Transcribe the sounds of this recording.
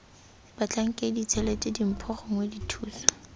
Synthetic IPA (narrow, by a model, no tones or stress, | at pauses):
bat͡ɬʼaŋ̩kʼedit͡sʰɛletʼedim̩pʰɔχɔŋweditʰuːsḁ